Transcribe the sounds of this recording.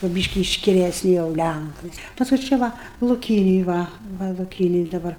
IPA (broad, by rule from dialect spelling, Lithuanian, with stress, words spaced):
kʊr ˈbʲiːʃʲkʲɪ ɪʃʲkʲɪlʲɛˈsʲnʲɪ jɛʊ ˈlʲæŋkɐɪ ˈpɑːskʊɪ ˈt͡ʃʲɛ ˈʋɐ lˠʊˈkʲiːnʲeːj ˈʋɐ ˈʋɐ lˠʊˈkʲiːnʲeːj dɐˈbɐr